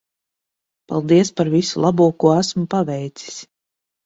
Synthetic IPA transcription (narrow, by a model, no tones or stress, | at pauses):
pa̰lˠd̪iɛspaɾvisulˠabuɔkuɔæsmpavɛjt̪si̥sʲ